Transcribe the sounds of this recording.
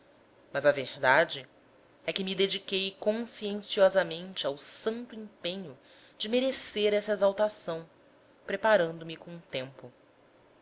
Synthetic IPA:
mɐzɐvehd̪ad͡ʒɪ | ɛkɪmɪd̪ed͡ʒikejkõsiẽsiɔzɐmẽnt͡ʃɪawsɐ̃nt̪ʊĩpẽɲʊ | d͡ʒɪmeɾeseɾɛsɐezawt̪asɐ̃w̃ | pɾepaɾɐ̃nd̪ʊmɪkõũt̪ẽmpʊ

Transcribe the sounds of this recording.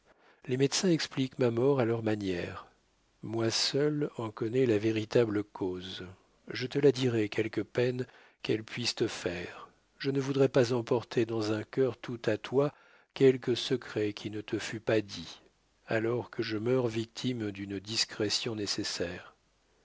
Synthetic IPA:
lemɛd̪sɛ̃ɛksplikmamɔʁalœʁmanjɛʁ | mwasœlɑ̃kɔnɛlaveʁit̪abləkʰoz | ʒət̪əlad̪iʁɛkʲʰɛlkəpɛn | kɛlpɥist̪əfɛːʁ | ʒənəvud̪ʁɛpazɑ̃pɔʁt̪ʰed̪ɑ̃zɛ̃kʲœʁt̪ʰut̪at̪wa | kʲɛlkəsəkχɛkʲʰinət̪əfypad̪i | alɔʁkʰəʒəmœʁvik̚t̪ʰimd̪ynd̪iskχɛsjɔ̃nesesɛːʁ

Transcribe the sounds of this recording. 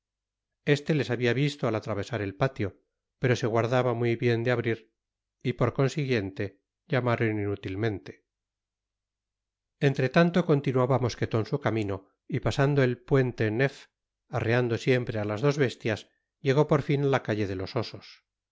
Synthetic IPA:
e̞st̪e̞le̞saβiaβist̪oalat̪ɾaβ̞e̞saɾe̞lpat̪jo̞ | pe̞ɾo̞se̞ɣwaɾðaβamwiβje̞nd̪eaβɾiɾ | ipo̞ɾko̞nsiɣje̞nt̪e̞ | ʎamaɾoninut̪ilmẽ̞nt̪e̞̥ | e̞nt̪ɾe̞t̪ant̪o̞ko̞nt̪inuaβamo̞ske̞t̪o̞nsukamĩno̞ | ipasand̪oe̞lpwe̞nt̪e̞ne̞f | areand̪o̞sje̞mpɾe̞alazðo̞zβe̞st̪jas | ʝe̞ɣo̞po̞ɾfinalakaʎe̞ðe̞lo̞so̞sos

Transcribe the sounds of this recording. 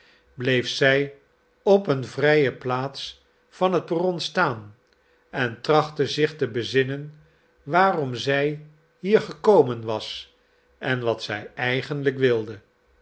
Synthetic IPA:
blejfsɛj | ɔpənvrɛjəplaːts | fɑnɦət̚burɔnstaːn | ɛntrɑχtəzɪχtəbəzɪnən | ʋaːrɔmzɛj | ɦiːɹχəkowmənʋɑs | ʔɛnʋɑtsɛjɛjχənləkʋɪlˠdə

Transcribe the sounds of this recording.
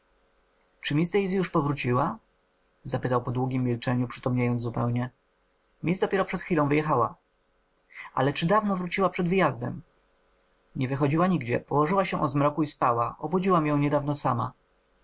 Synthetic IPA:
t͡ʂɘmʲist̪ɛjizʲjuʂpɔvɾut͡ɕiwa | zapɘt̪awpɔd̪wuɡʲimʲːilt͡ʂɛɲupʂɘ̥t̪ɔmɲajɔnzzupɛwɲɛ | mʲizd̪ɔpʲɛɾɔpʂɛt̪xfʲilɔ̃w̃vɘjɛxawa̰ | ʔa̰lɛt͡ʂɘd̪avnɔvɾut͡ɕiwapʂɛd̪vɘjazd̪ɛ̰m | ɲɛvɘxɔd͡ʑiwaɲiɡd͡ʑɛ̰pɔwɔʐɘwaɕɛʔɔzmɾɔkuispawaʔɔbud͡ʑiwamjɔ̃w̃ɲɛd̪avnɔsama̰

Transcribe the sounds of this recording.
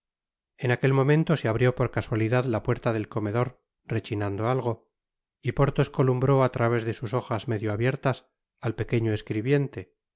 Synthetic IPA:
enake̞lmõ̞mẽnt̪o̞seaβɾjo̞po̞ɾkaswaliðaðlapwe̞ɾt̪aðe̞lko̞me̞ðo̞ɾ | re̞t͡ʃinand̪oalɣ̞o̞ | ipo̞ɾt̪oskolumbɾo̞at̪ɾaβ̞e̞zðe̞suso̞xazme̞ðjoaβje̞ɾt̪as | alpe̞ke̞ɲoeskɾiβje̞nt̪e̞

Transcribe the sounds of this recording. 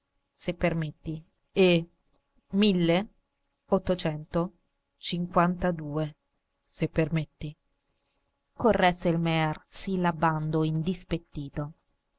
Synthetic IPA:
sepːermet̪ːi | e | milːe | ot̪ːot͡ʃɛnt̪o | t͡ʃiŋkwant̪ad̪uːe | sepːermet̪ːi | korːɛselmɛarsilaband̪oind̪ispet̪ːiːt̪o

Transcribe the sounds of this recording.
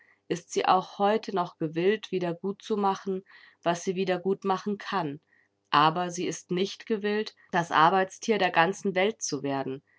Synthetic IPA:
ʔɪstz̥iːʔa̰ʊxhɔʏtʰənɔχɡ̥əvɪltv̥iːdɐɡuːt̚t͡sumaχn̩ | v̥asz̥iːviːdɐɡuːtmaχn̩kʰan | ʔaːbɐziːɪstnɪçtɡ̥əvɪlt | d̥asʔa̰ɐbaɪt͡stʰiːɐɾeːɐɡant͡sn̩vɛlt̚t͡suveːɐdn̩

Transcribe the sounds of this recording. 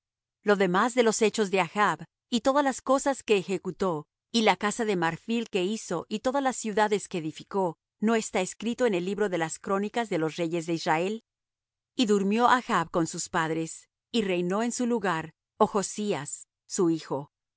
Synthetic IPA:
lo̞ðe̞mazðe̞lo̞se̞t͡ʃo̞zðe̞axaβ | it̪o̞ðalasko̞saske̞ːxe̞kut̪o̞ | ilakasaðe̞maɾfilke̞iso̞ʔit̪o̞ðalasːjuðaðe̞skeːðifiko̞ | no̞e̞st̪aeskɾit̪o̞ene̞lːiβɾo̞ðe̞laskɾo̞nikazðe̞lo̞sre̞ʝe̞zðe̞izrae̞l | iðuɾmjo̞ʔaxaβko̞nsuspaðɾe̞s | ire̞jno̞e̞nsuluɣaɾ | oxo̞siasː | uixo̞

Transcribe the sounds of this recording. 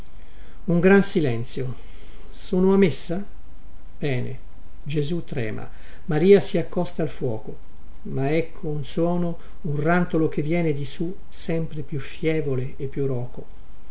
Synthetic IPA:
uŋɡɾansilɛnt̪sjo | suːnoamesːa | b̥ɛːnḛ | d͡ʒezut̪ːɾɛ̰ːma̰ | maɾiːasiakːɔst̪aːlfwɔːko | maɛkʰːounswɔːno | unrant̪olok̟evːjɛːned̪isu | sɛmpɾepjufjɛːvoleːpːjurɔːko

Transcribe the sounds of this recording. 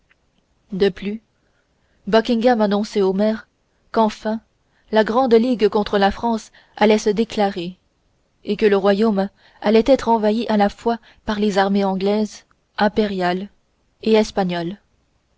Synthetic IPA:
d̪əply | bɔkʲĩŋɡamanɔ̃sɛomɛːʁ | kɑ̃fɛ̃ | laɡʁɑ̃d̪liɡkɔ̃t̪χəlafχɑ̃s | alɛsəd̪eklaʁe | ekələʁwajom | alɛt̪ɛt̪χɑ̃vaiʔalafwa | paʁlezaʁmeɑ̃ɡlɛz | ɛ̃peʁjal | eɛspaɲɔl

